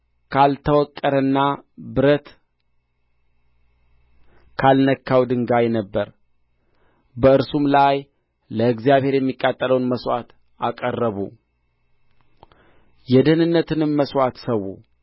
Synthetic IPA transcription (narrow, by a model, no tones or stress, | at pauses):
kʰalt̪ʰəwɔkʼːəɾɨnːabɨɾət̪ | kʰalnəkʰːawd̪ɨŋɡajnəbːəɾ | bəɨɾsumlaj | ləɨɡzijaβhe̞ɾjɛmːikʼːat̪ʼːələwnməswʷat̪ | ʔakʼərːəβu | jɛd̪ənɨnːət̪ʰɨnɨmməswat̪səwːṵ